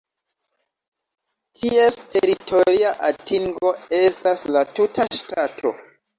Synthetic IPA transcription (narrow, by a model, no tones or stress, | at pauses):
tʰie̞ste̞ɾitʰo̞ɾiaʔatiŋɡo̞e̞staslatutʰaʃtatʰo̞̰